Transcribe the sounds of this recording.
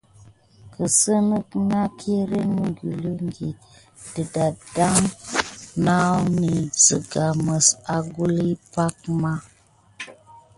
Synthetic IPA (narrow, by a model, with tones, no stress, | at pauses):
kə˨sə˦nə˦kna˦kʰe˦ɾe˦nu˨ŋɡi˨lə˦ŋ˦ɡi˨ | də˨da˨da˦ŋ | na˦ni˨d͡zə˨ɡa˨mə˨sa˨ɡu˦li˦pa˦k̚ma˦